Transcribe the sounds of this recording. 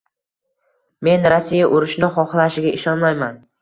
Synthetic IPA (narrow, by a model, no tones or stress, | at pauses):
me̞nɾasːijaʔʊɾɪʃnɪχɒχlˠaʃɪɡʲaʔɪʃɒnmajman